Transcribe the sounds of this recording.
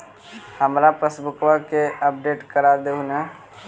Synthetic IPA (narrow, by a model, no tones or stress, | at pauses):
həmɾapɾəsbʊkʋəɾkeəp̚ɖeːʈkəɾad̪eunɛ